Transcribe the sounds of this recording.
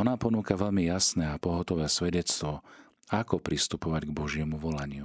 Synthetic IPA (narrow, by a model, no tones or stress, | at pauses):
ɔnaːpɔnuːkaʋɛʎmijasnɛːapɔɦɔt̪ɔʋɛːsʋɛɟɛt͡st̪ʋɔ | akɔpɾist̪upɔʋaɟɡbɔʒɪɛmuʋɔlaɲɪu